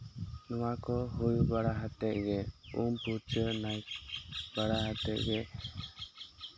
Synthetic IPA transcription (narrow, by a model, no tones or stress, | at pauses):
nɔwakɔɦujbaɽaɦat̪ɛʔ̪̚ɡɛumpuɾt͡ʃənajt̪̚baɽaɦat̪ɛʔ̚ɡɛ